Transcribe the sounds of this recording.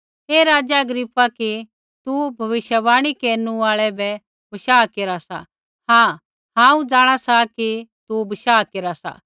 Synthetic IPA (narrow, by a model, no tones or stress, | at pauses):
eːɾaːd͡ʒaɐɡɾɪpːaki | t̪ubʱɐʋɪʃjəbaːɽ̃ikeːɾnũaːɭɛbɛ | bɐʃaːkeːɾasa̰ | hãː | ɦãːũd͡zãːɽ̃asakit̪ubɐʃaːkeːɾasa̰